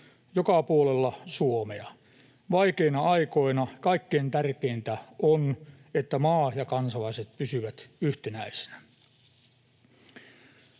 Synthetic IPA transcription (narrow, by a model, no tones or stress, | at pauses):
jokɑpuolelːɑsuomeɑ | ʋɑikeinɑɑikoinɑkɑikːeːnt̪ærkeint̪æon | et̪ːæmɑːjɑkɑnsɑlɑiset̪̚pysyʋæt̪yht̪enæise̥næ